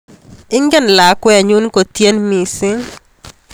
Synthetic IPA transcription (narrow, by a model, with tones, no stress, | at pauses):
ɪ˦ŋɡɛ˦˨nla˨kwɛ˦˨ɲu˦nko˨t̪je˦nmi˨sɪ˦